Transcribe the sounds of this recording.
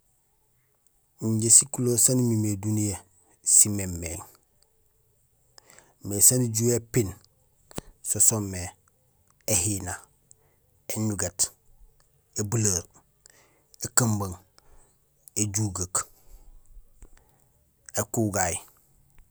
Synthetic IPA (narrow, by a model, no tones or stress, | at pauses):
iɲɟesikuloːsanimimedunije | simemːeŋ | mesaniɟuːepin | sosomːe | ehina | eɲuɡat | ebulaɾ | ekambaŋ | eɟuɡak | ekuɡaj